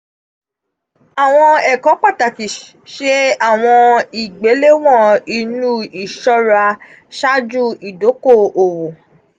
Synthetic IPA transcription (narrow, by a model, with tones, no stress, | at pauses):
a˨w̃ɔ̃˧ɛ˨kɔ̃˨˦k͡pa˦˨ta˨ki˨ | ʃe˦a˦˨w̃ɔ̃˧i˨ɡ͡be˨˦le˦w̃ɔ̃˦˨i˧nũ˦i˨ʃɔ˦ɾa˧ | ʃa˦d͡ʒu˦i˨do˨˦ko˦˨o˨wo˨